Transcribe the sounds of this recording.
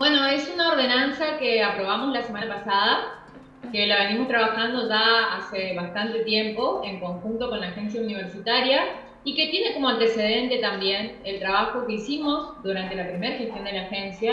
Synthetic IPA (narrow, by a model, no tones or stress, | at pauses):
bwe̞no̞e̞sunaoɾð̞e̞nansakeapɾo̞β̞amo̞slasemanapasaða | kelaβe̞nimo̞st̪ɾaβaxand̪o̞ʒaaseβast̪ant̪e̞t̪je̞mpo̞eŋko̞ŋxunt̪o̞konlaːxe̞ns̬jauniβ̞e̞ɾsit̪aɾja | ike̞t̪je̞ne̞ko̞moant̪e̞se̞ð̞e̞nt̪e̞t̪ambje̞nelt̪ɾaβaxo̞ke̞isimo̞zðuɾant̪e̞lapɾime̞ɾaxest̪jo̞nd̪e̞laxe̞nsja